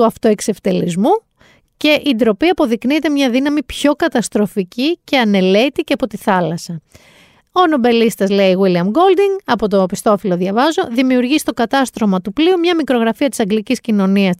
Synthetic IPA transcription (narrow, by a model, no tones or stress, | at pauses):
uɐft̪o̞e̞kse̞ft̪e̞lizmu | ce̞ʔind̪ɾo̞piɐpo̞ðiknit̪e̞mɲɐðinɐmipço̞kɐt̪ɐst̪ɾo̞ficice̞ɐne̞le̞t̪iceɐpo̞t̪iθɐlɐsɐ | ono̞be̞list̪ɐzle̞iɣwiliɐmɡo̞ld̪iŋɐpo̞t̪o̞pist̪o̞filo̞ðʝɐvɐzo̞ðimiuɾʝist̪o̞kɐt̪ɐst̪ɾo̞mɐt̪upliumɲɐmikɾo̞ɣɾɐfiɐt̪i̥sɐŋɡliciscino̞niɐs